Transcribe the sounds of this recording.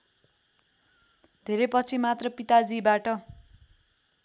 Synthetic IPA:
d̪ʱeɾepʌt͡sʰimat̪rʌpit̪ad͡zibaʈʌ

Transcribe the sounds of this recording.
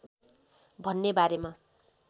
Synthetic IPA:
bʱʌnːebaɾema

